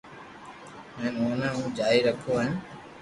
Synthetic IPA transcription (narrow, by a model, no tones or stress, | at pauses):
ɦɛ̃ːnoːnãːũːd͡ʒaːiːɾəkʰoːã